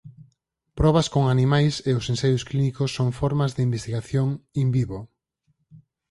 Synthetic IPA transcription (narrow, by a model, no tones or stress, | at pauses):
pɾɔβɐskoŋanimajseʊsẽnsajʊsklinikʊsːoŋfɔɾmɐzðɪimbest̪iɣaθjoŋimbiβo